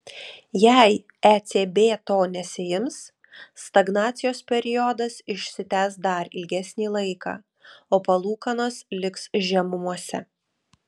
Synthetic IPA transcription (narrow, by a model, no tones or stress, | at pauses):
jæˑɪ | æt̪sʲeːbʲeːt̪oːnʲɛsʲɪjɪms | st̪ɐɡnɑːt̪sʲɪjoːspʲɛɾʲɪjɔd̪ɐsɪʃʲsʲɪt̪ʲæːsd̪ɐɾɪlʲɡʲɛsʲnʲiːlˠɐɪkɑ̰ː | oːpɐlˠuːkɐnoːslʲɪksʒʲɛmʊmuɔsʲɛ̰